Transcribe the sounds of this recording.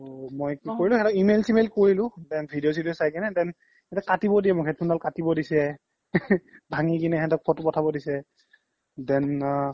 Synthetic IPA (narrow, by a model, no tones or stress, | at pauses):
mojkikoɹilʊ̃hɛtɔkimelsimelkoɹilʊ̃dɛnbʱidios̬idiɔsajkɛnɛdɛn | hɛtɛkatibɔdijɛmɔkʰɛtpʰunalkatibɔdisɛ | bʱaŋikinɛɦɛtɔk̚pʰɔtpɔtʰabɔdisɛ | dɛn